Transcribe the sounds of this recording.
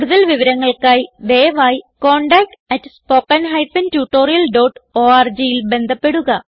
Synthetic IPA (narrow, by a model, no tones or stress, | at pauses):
uɽuðɐlʋiʋɐɾɐŋːɐɭkaːjʋeːʋaːjko̞ːɳɖaːk̚ʈɐtːspo̞ːkːɐnɦɐjpɐntuːʈːo̞ːrijɐlɖo̞ːʈoːaːrd͡ʑijilbe̞nd̪ʱɐpːe̞ɽuɣɐ